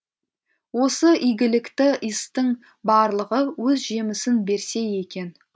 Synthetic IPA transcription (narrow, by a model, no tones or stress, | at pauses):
wo̞səʔijɡʲɪlɪkt̪ɪəst̪əŋ | bɑɾlˠəʁəwɵzʒe̞mɪsɪnbe̞ɾse̞je̞kʲe̞n